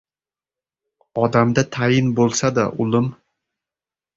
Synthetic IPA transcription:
ɒd̪amd̪at̪ʰajɪnbolˠsad̪aʔʊlɪm

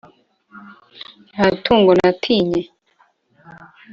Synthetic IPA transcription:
atʰuːŋɡonatʰiɲe

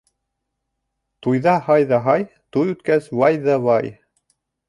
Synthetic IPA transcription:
t̪ujðɑhɑjðɑɦɑj | t̪ujʉt̪kæswɑjðɑβɑj

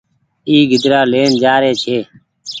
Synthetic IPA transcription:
iːɡɪd̪ɾaːleːnd͡ʒaːɾeːt͡ʃʰeː

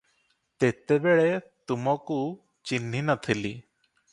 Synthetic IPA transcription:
t̪et̪ebeɭe | t̪umɔku | t͡ʃinɦinat̪ʰili

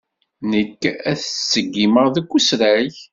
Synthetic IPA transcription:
nəkːæθsːəɡːiməʁðəkʷːusɾæç

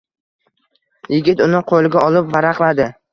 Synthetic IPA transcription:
jɪɡʲɪt̪ʊnɪqʰolˠɡʲaɒlɪpvaɾaqlˠad̪ɪ

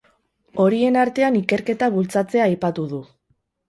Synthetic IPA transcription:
o̞ɾie̞naɾt̪e̞anike̞ɾke̞t̪aβ̞ult͡sat͡se̞aːjpat̪uð̞u

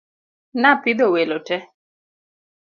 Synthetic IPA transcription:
napid̪owelotɛ

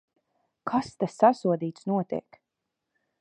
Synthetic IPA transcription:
kʰast̪asːasuɔd̪iːt̪snuɔt̪ḭɛk

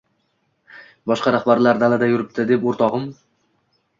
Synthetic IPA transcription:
bɒʃqɑɾaχbaɾlaɾd̪alad̪ajʊɾɪp̚t̪ʰɪd̪epoɾt̪ʰɒʁɨm

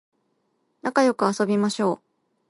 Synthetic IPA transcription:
nakajo̞kɯ̟aso̞bʲimaɕo̞ː

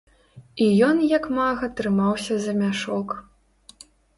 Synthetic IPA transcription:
ijɔnjɐkmaɣɐt̪ɾɨmawsʲɐzɐmʲaʂɔk

